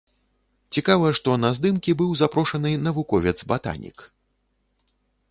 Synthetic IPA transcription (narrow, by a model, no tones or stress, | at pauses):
t͡sʲikavɐʂt̪ɔnɐzd̪ɨmkʲibɨwzapɾɔʂɐnɨnɐvukɔvʲɛd̪zbat̪a̰nʲḭk